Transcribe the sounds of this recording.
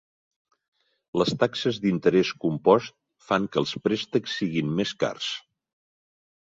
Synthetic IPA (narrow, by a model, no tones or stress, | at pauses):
ləst̪aksəzd̪int̪əɾɛskumpɔst̪̚ | faŋkəlˠspɾest̪əksːiɣimmeska̰rs